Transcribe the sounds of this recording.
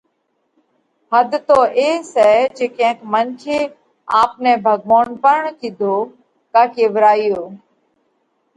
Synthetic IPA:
ɦəd̪ʱt̪oːʔeːsɛːd͡ʒeːkẽːə̃kmənt͡ʃʰeː | aːpnɛːbʱəɡʋoːnpəɾɳkiːd̪ʱoː | kaːkeːʋəɾaːijoː

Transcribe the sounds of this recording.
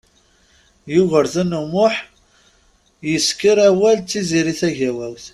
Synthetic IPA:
jʊʝəɾθænumʊħ | jəskəɾæwælt͡sːiziɾiθæʝæwæwθ

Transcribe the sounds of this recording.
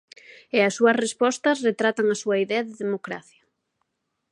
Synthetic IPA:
eɐsːuɐsrespɔst̪ɐsret̪ɾat̪aŋɐsuɐiðɛɐðɪðemokɾa̰θjɐ

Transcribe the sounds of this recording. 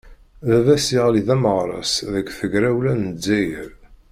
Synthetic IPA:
ðævæsiʁliðæməʁɾˤɑ̰sðəkːθəɡɾæwlænəd͡zːæjəɾ

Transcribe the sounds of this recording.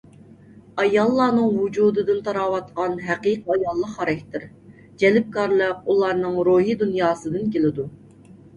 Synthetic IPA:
ɑjɑlˠːɑːnɨŋwud͡ʒuːd̪ɨd̪ɨnt̪ʰɑɾɑːwɑt̪qɑnɦæqiqʰɑjɑlˠːəqːɑɾɛkʲt̪ʰɪɾ | d͡ʒɛlɪp̚kɑɾlˠəqulˠɑɾnɨŋɾoɦid̪unjɑːsɨd̪ɨnkʲelɪd̪u

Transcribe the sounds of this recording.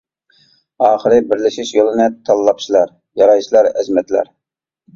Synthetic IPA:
ɑːχəɾɨbɪɾlɪʃiʃjolˠɨnɨt̪ʰɑlˠːɑpʃilˠɑɾ | jɑɾɑjt͡ʃlˠɑɾɛzmɛt̪læ̰ɾ

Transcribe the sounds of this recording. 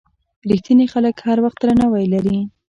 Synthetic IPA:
ɾixt̪inixaləkhaɾwaxt̪ɾanawajlaɾi

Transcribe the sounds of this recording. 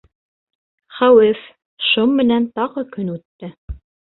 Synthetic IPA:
χæwɘf | ʃommɘ̆nænt̪ɑʁɤkɵnʉt̪ːɘ

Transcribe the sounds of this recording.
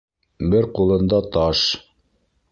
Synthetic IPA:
bɘɾqulˠɤ̆nd̪ɑt̪ɑʃ

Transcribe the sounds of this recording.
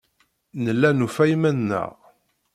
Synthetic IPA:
nəlːænufæjmænːə̰ʁ

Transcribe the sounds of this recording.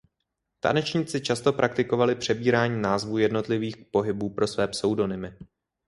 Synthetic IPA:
t̪a̰nɛt͡ʃɲit͡sɪt͡ʃast̪o̞pɾʔak̚t̪ɪko̞valɪpr̝̥ɛbiːɾaːɲiːnaːzvuːjɛdno̞t̪lɪviːx̚po̞ɦɪbuːpɾo̞svɛːpsɛwdo̞nɪmɪ

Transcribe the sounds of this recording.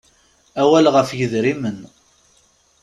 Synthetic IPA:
æwælʁəfjəðɾimən

